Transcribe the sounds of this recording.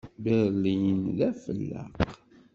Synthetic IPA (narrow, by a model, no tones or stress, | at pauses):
beðˤlijənlæfəlːə̰q